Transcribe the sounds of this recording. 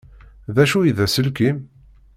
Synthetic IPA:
ðæʃujiðæsəlkʲim

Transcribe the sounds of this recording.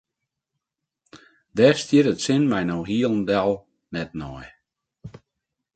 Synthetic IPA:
dɛːrstjɪɾətsɪnmɛjnowɦiəlˠn̩dɛlˠ | nɛt̚nɔj

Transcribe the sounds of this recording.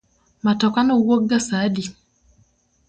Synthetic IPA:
matɔkanɔwoɡasadi

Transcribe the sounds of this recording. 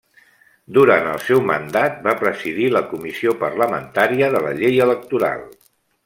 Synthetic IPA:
d̪uɾant̪ə̰lˠsɛwmə̰nd̪at̪̚bapɾəziðiləkumisiopərləmə̰nt̪aɾiəðələ̰ʎejələk̚t̪uɾa̰lˠ

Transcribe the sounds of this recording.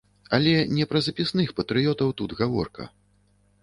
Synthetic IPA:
alʲɛnʲɛpɾɐzɐpʲisnɨxpɐt̪ɾɨjɔt̪ɐwt̪ud̪ɣavɔrkɐ̰

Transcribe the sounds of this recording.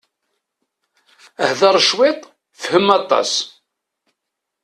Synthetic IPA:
əhðɑɾˤʃwɪt̪ˤ | fəhəmɑt̪ˤːɑ̰s

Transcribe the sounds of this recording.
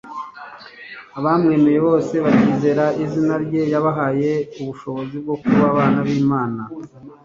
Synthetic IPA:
aβamŋe̞ːme̞je̞βo̞ːse̞βaciːze̞ɾaizinaɾɟe̞jaβaɦaje̞uβuʃo̞βo̞zib̚ɡo̞kuβaβaːnaβiːmaːna

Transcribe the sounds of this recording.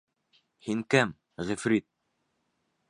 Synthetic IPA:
hiŋkɘm | ʁɘfɾit̪̚

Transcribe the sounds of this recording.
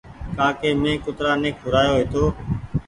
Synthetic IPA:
kaːkeːmẽːkʊt̪ɾaːnẽːk̚ɦʊɾaːjoːɦɪt̪oː

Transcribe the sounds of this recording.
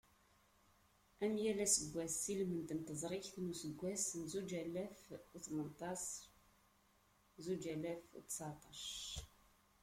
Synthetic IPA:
æmjælæsəɡʷːæsːilmənt̪ənt̪əzˤɾˤiçθnusəɡʷːæsnzud͡ʒælæfθmənt̪ˤɑs | zud͡ʒælæft̪sɑt̪ˤɑʃ

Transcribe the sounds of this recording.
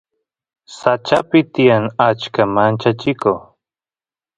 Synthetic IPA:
sat͡ʃapɪt̪ɪjaŋat͡ʃkamant͡ʃat͡ʃɪko

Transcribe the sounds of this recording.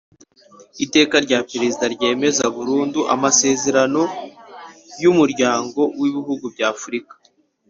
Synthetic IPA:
ite̞ːkaɾɟaːpeɾe̞zidaɾɟe̞ːme̞zaβuɾuːnduʔa̰mase̞ze̞ɾano̞ | jumuɾɟaːŋɡo̞wiβiɦuɡubɟaːfuɾikḁ

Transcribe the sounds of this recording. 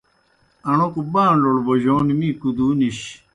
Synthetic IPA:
ɐɳokubãːnloɽboʑoːnimiːkud̪uːniɕ

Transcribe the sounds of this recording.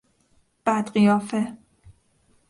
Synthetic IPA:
b̥æd̪ɢijɒːfe

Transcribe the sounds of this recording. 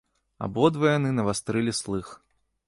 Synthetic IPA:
a̰bɔd̪vɐjanɨnɐvast̪ɾɨlʲislˠɨx

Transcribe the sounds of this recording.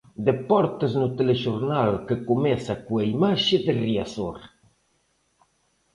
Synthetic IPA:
d̪epɔɾt̪əznut̪eleʒuɾnalkəkumɛsakuaimaʃəd̪əriasoɾ

